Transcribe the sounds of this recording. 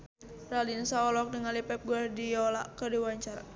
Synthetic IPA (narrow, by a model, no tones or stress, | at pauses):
ralinsaɔlɔk̚dəŋalipɛp̚ɡuardiɔla̰kədiwaɲt͡ʃara